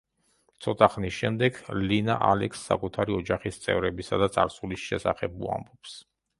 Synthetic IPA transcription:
t̪sʰɔt̪ʼaχnisʃɛmd̪ɛɡlina̰ʔalɛksːa̰kʼut̪ʰaɾiɔd͡ʒaχist̪sʼɛ̰vɾɛbisad̪at̪sʼaɾsulisʃɛ̰sa̰χɛbṵa̰mbɔps

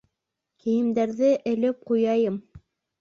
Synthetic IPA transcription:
kɘ̆jɘ̆md̪æɾðɘʔɘ̆lɘp̚qujɑjɤm

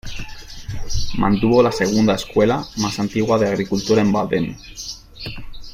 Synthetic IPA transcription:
mʔã̰nt̪uβolaseɣ̞und̪aeskwelamasant̪iɣwaðeaɣɾikult̪uɾaemba̰ðen

